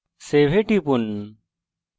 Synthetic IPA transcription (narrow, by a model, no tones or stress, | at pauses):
seːʋ̤ʱeːʈipun